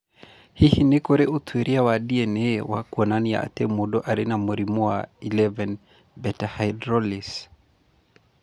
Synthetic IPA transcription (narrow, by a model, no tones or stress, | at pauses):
hihinekoɾeʔotʰwiɾiawaɗiɛnewakwɔnanija̰a̰t̪ɛmoɗɔʔaɾɪnamoɾimuailɛvɛn | bɛtahajdɾɔlis